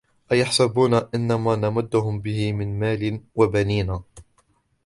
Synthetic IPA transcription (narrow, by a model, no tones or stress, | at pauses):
ʔajaħsabuːnaʔɪnːamaːnamaʊd̪ːʊhʊmbɪhɪmɪnmaːlɪnwabaniːnaː